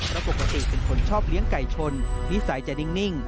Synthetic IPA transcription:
pɾa˧po˨˩kːa˧t̪i˨˩pe˧npʰo˩˦nt͡ɕʰɔː˥˩p̚li˦əŋka˨˩jt͡ɕʰo˧nːi˦˥sa˩˦jt͡ɕa˨˩ni˧˩ŋni˥˩ŋ

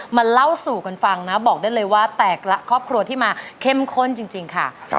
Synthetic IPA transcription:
ma˧nla˥˩wsuː˨˩ka˧nfa˧ŋna˦˥bɔː˨˩k̚da˥˩jlɤː˧jwaː˥˩t̪ɛː˨˩k̚ɾa˦˥kʰɾɔː˥˩p̚kʰɾu˧ɐt̪ʰiː˥˩maː˧kʰe˥˩mkʰo˥˩nt͡ɕi˧ŋt͡ɕi˧ŋkʰa̰˥˩

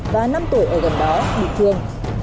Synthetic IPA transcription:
vaː˨˩na˧mt̪u˧˩əjʔəː˧˩ɣa˨˧˩ŋ̚ɗɔ˨˦ɗḭ˧˨t̪ʰi˨˧˩ən

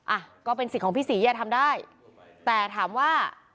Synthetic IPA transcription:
ʔa˧˩kɔː˥˩pe˧nskʰɔː˩˦pʰiː˥˩siː˩˦jaː˧˩t̪ʰa˧mdaː˥˩j | t̪ɛː˨˩t̪ʰaː˩˦mwaː˥˩

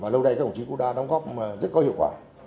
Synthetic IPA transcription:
vaː˨˩lə˧wɗə˧jka˦˩˨t͡ɕi˨˧˦ku˧˥ɗaː˧ɗa˨˦wŋ͡mɣɔ˦˥p̚maː˨˩zə˦˥t̚kɔ˨˦hi˧˨wkwaː˧˩

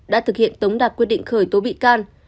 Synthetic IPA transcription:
ɗa̰ː˧˥t̪ʰɨ˨˩k̚hḭ˧˨ənt̪ə˨˦wŋ͡mɗaː˨˩p̚kwi˧ət̚ɗḭ˧˨ŋ̟xəː˧˩jt̪o˨˦ɓḭ˧˨kaː˧n

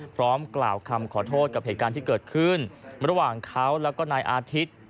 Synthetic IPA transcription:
pʰɾɔː˦˥mklaː˨˩wkʰa˧mkʰɔː˩˦t̪ʰoː˥˩t̪̚ka˨˩p̚heː˨˩t̪kaː˧nt̪iː˥˩kɤː˨˩t̪̚kʰɯ˥˩nɾa˧waː˨˩ŋkʰa˦˥wlɛː˦˥wkɔː˥˩naː˧jʔaː˧t̪ʰi˦˥t̪̚

